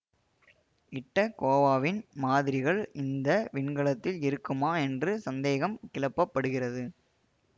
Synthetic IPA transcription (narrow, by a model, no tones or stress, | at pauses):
ɪʈːɐkoːʋaːʋɪnmaːðɪɾɪɣɐɭʔɪnd̪ɐʋɪɳɡɐɭɐt̪ːɪlɪɾɯkːɯmaːɛndrɯsɐnd̪eːɣɐmkɪlɐpːɐpːɐɽɯɣɪrɐðɯ